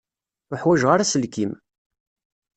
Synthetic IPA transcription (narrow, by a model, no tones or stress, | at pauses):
ʊħwæʒʁaɾasəlkim